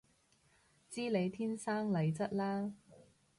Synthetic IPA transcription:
t͡siː˥le˨˧jt̪ʰiː˥nsaː˥ŋlɐ˨˧jt͡sɐ˥t̚laː˥

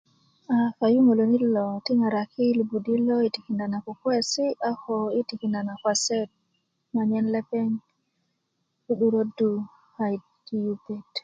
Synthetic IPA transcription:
a˨fa˨ju˦ŋo˨lo˨ni˦lɔ˨ti˦ŋa˨ɾa˨kʰi˦lu˨bu˨di˦lɔ˦i˨ti˨ki˨nda˨na˨ku˨kwe˦si˦ʔa˦ho˨i˦ti˨ki˨nda˨na˨kwa˨sɛ˦t̚ | ma˨ɲɛ˦nle˦pɛ˦ŋ | ki˦ɗu˦ɾo˦du˦ | ha˨j | ki˦ju˦pe˦t

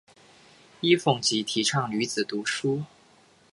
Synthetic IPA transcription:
i˥fʊ˨˩ŋt͡ɕi˧˥t̪ʰi˨˧˥ʈ͡ʂʰɑ˥˩ŋly˧˥t͡sɹ̩˨˩t̪u˨˧˥ʂu˥

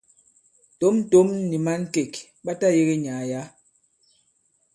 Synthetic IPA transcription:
to˦m̩˦to˦mni˨ma˦ŋ̩˦ke˨k | ɓa˦ta˦je˦ɣe˦ɲaː˨ja˨˦

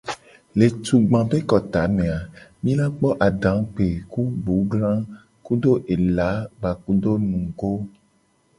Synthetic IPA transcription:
le˨t̪u˨ɡ͡bã˨be˦kɔ˨t̪a˨˦mẽ˨a˨mĩ˦la˦k͡pɔ˦ʔa˨ɖã˨˦k͡pe˨ku˦ɡ͡bu˨˦ɡlã˦ | ku˦do˦ʔe˨la˨˦ɡ͡ba˨ku˦do˦nũ˨ɡo˦

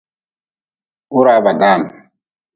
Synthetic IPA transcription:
u˦ɾa˨ba˨ɗa˦˨m

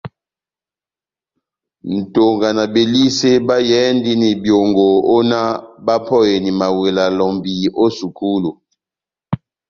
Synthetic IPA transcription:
n̩˨to˨ŋɡa˨na˨be˨li˦se˦ba˦jɛ˨˦ndi˦ni˨bjo˨ŋɡo˨o˦na˦ba˦pʰɔ˦je˨ni˨ma˨we˨la˨lɔ˨mbi˨o˦su˨ku˦lu˨

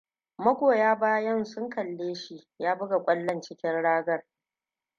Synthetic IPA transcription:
mɐ˦ɡʷoː˨jaː˦baː˦jɐ˦nsʊ˦ŋkɐ˨lːeː˦ʃi˦jaː˦bʊ˦ɡa˨kʷʼɐ˦lːɐ˦˨nt͡ʃɪ˦kʲɪ˦nɽaː˦ɡɐ˦r

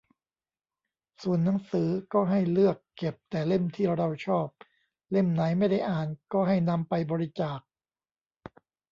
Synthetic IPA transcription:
su˨˩ənːa˩˦ŋsɯː˩˦kɔː˥˩ɦa˥˩jlɯ˥˩əkːe˨˩p̚t̪ɛː˨˩le˥˩mt̪ʰiː˥˩ɾa˧da˧˩wt͡ɕʰɔː˥˩p̚ | le˥˩mna˩˦jma˥˩jda˥˩jʔaː˨˩nkɔː˥˩ɦa˥˩jna˧mpa˧jbɔː˧ɾi˦˥t͡ɕaː˨˩k̚

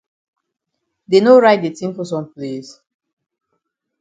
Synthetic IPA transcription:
de˨no˦ɹa˦ɪt̚de˨tĩ˦mfɔ˨s̬ɔ̃˨mples

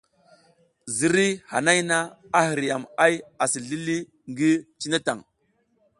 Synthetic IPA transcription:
zi˨ɾi˦ha̰˨na˦jna˦ | a˦hi˨ɾja˨ma˦ja˨si˨ɮi˦li˦ | ŋɡi˦t͡ʃi˦na˦ta̰˨ŋ

